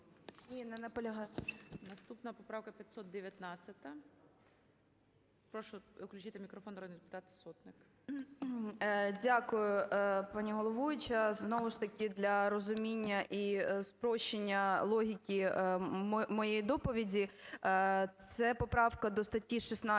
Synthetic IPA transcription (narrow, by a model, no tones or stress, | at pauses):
nʲinɛnɐpɔlʲɐɦɑnɐst̪upnɐpɔpɾɑwkɐpʲjɐt̪sɔt̪̚d̪eʋʲjɐt̪nɑt͡sʲːɐt̪ɐ | pɾɔʃʊʊklʲʉt͡ʃit̪ɪmʲikɾɔfɔnɾɔd̪ʲpɪ̥t̪ɑt̪sɔt̪nɪk | dʲakʊjʊpɑnʲiɦɔlˠɔʋujʊt͡ʃɐznɔʋʊʃt̪ɐkʲɪd̪lʲɐɾɔzʊmʲinʲːɐʔispɾɔʃenʲːɐlˠɔɦʲikʲimmɔjejid̪ɔpɔʋʲidʲi | t̪sɛpɔpɾɑwkɐd̪ɔst̪ɐtʲːiʃisnɑ